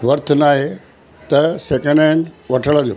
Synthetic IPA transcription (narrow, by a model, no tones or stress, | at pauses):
ʋɐɾt̪ʰʊnaːɦe | t̪ɐseːkə̃ɳɖaːɪ̃nʋɐʈʰəɭəd̪ijo̰ː